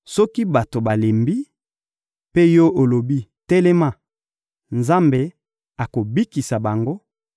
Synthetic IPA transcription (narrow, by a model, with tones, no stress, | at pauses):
sɔ˦ki˦ba˨to˨ba˨le˨mbi˦ | pe˦jɔ˦ʔo˨lo˨bi˦tɛ˦le˦ma˦˨ | nza˦mbe˨ | a˨ko˨bi˦ki˨sa˨ba˨ŋɡo˦